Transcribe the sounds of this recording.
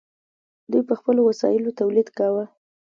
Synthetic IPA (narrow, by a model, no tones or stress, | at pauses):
d̪ujpəxpəlowasɑ̰jɪlot̪awlid̪kawə